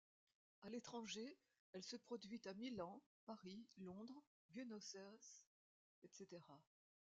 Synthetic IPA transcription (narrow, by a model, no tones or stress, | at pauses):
alet̪χɑ̃ʒe | ɛlsəpχɔd̪ɥit̪amilɑ̃ | paʁilɔ̃d̪ʁ | bjønɔsɛs | ɛt̪set̪eʁa